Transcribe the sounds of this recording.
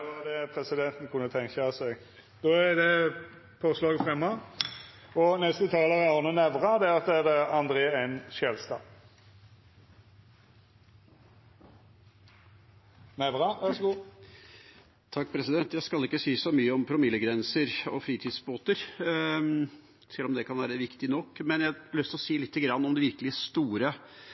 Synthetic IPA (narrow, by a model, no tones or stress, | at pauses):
ɑd̪ɛpʰɾɛsɪd̪ɛnt̪n̩kʰʊnːət̪ʰɛŋkəsɛɡ | d̪̥oːɛd̪ɛ | pʰoːslɑːɡfʁɛmːɑ | ɔnɛst̪ət̪ʰɑːləɾəɑnənɛʋʁɑd̪ɛɑt̪ːəæʁd̪ɛɑnd̪ɾeːɛnʃɛlst̪ɑː | nɛʋʁɑʋæʁʂɡu | t̪ʰɑkːpʰɾɛsɪd̪ɛnt̪jæɪskɑlɪkːəsiːəsɔmyːəɔmpʰɾʊmɪlːəɡɾɛnsəɾɔ̰fɾiːt̪ʰɪd̪sboːt̪əɾ | sɛlːɔmd̪ɛkʰɑnʋæːɾəʋɪkt̪ɪnɔkːmɛnjælœst̪əɔsiːlɪt̪ʰːəɡɾɑnːɔmd̪ɪʋɪɾkəlɪəst̪uːɾə